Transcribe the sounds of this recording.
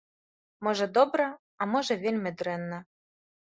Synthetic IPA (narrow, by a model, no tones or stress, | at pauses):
mɤ̆ʒɤ̆d̪obɾɤ̆ | ɑmɤ̆ʒĕvʲelʲmʲɘ̆d̪ɾenːɘ̆